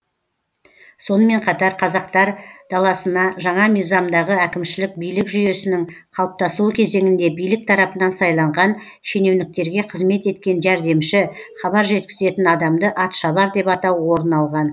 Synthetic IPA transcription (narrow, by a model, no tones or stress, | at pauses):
so̞nəme̞ɴqʰɑt̪ɑɾqʰɑzɑq̚t̪ɑɾd̪̥ɑlˠɑsənɑʒɑɴɑmijzɑmd̪ɑʁəækʲɪmʃɪlɪk̚bijlɪkʒʏje̞sɪnɪŋqʰɑlˠəp̚t̪ɑsəlˠukʲʰe̞ze̞ŋɪnd̪e̞bijlɪk̚t̪ʰɑɾɑpənɑnsɑjlˠɑɴʁɑn | ʃe̞ne̞wnɪk̚t̪e̞ɾɡʲe̞qʰəzme̞t̪e̞t̪kʲe̞nʒæɾd̪e̞mʃɪχɑβɑɾʒe̞t̪kʲɪ̥ze̞t̪ɪnɑd̪ɑmd̪əʔɑt̪ʃɑβɑɾd̪e̞pɑt̪ɑwwo̞ɾənɑlˠʁɑn